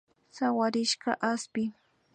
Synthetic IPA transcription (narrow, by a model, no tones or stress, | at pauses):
sawaɾɪʃɢa̰ʔaspɪ